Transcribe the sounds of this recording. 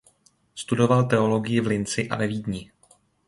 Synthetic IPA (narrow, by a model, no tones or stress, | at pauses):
st̪udo̞valt̪ɛolo̞ɡɪjɪvlɪnt͡sɪʔa̰vɛviːdɲɪ